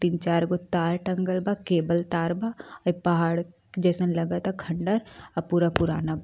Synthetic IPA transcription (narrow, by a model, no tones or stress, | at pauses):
t̪int͡ʃaːɾɡot̪aːɾʈɐ̃ŋɡəlbakeːbəlt̪aːɾbaipɐɦaːɽ | d͡ʒɛːsənlɐɡat̪akʰɐ̃ɳɖəɾɐpuɾapʊɾaːnab